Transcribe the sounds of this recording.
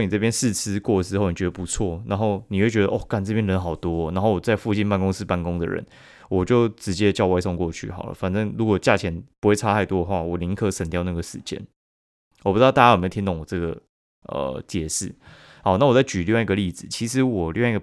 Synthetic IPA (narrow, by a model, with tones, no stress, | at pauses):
ni˨t͡sɤ˥˩p̬jɛ˥nsɹ̩˥˧t͡s̩ʰ˥kwɔ˥˩də˩ʂɻ̩˧xo˥˩ʊni˨˩t͡ɕɥɛ˧˥d̪ə˧˩pu˧˥t͡sʰwɔ˥˩na˧˥nxo˥˩ʊni˨˩xwe˥˩ɪt͡ɕɥɛ˧˥də˧ʔɔ˥˩ka˥˩nt͡sɤ˥˩pjɛ˥nɻə˧˥nxɑ˨˩ʊt̪wɔ˥˩na˧nxo˥˩ʊwɔ˨˩t͡sa˥˧ɪfu˥˧t͡ɕi˥˧npa˥˩nkʊ˥ŋs̩˧pa˥˩nkʊ˥ŋd̪ə̰˨ɻə̰˧˦n | wɔ˨˩t͡ɕjo˥˩ʊʈ͡ʂɻ̩˧˥t͡ɕjɛ˦˥t͡ɕjɑ˥˧wa˥ɪsɔ˥˧ŋkwɔ˥˧t͡ɕʰy̰˥˩xɑ˨˩ʊlə̰˦fa˨˩nʈ͡ʂɤ˥ŋɻu˧˥kwɔ˨˩t͡ɕja˥˩t͡ɕʰjɛ˧˦npu˧˥xwe˥˩ɪʈ͡ʂʰa˥a˥˧ɪt̪wɔ˥də˨xwa˥˩wɔ˨˩li˧˥ŋkʰɤ˧˥ʂə˨˩nt̪jɑ˥ʊna˥˩ɡə˩ʂɻ̩˨˩t͡ɕjɛ̰˥˦n | wɔ˨pu˦˥ɑ˥˧a˥˩ja˥jme˧˥˧i˥t̪o˥˩ŋwɔ˨˩ʈ͡ʂɤ˥˩ɡə˩ | ə̰˨˩t͡ɕjɛ˨˥ʂɻ̩˥˩ | xɑ˨˩˦na˥˩wɔ˨˩t͡sa˥˩ɪt͡ɕy˨˩li˥˧wi˥ɡə˨li˥˩d͡zɹ̩˨˩t͡ɕʰi˧˥ʂ̬ɻ̩˧˥wɔ˨˩lḭ˥˧wɡə˩